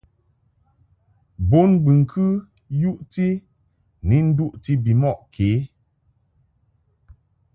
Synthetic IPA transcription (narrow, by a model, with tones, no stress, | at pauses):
bo˦nbɨ˨ŋ̩˨kʰɨ˦ | ju˦ʔti˦ | ni˦n̩˦du˦ʔti˦bi˨mɔ˦˨ʔkʰe˨˦